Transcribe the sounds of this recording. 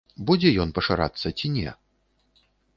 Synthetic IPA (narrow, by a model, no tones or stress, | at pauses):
bud͡zʲɛjɔnpɐʂaɾa̰t̪sːɐt͡sʲinʲɛ̰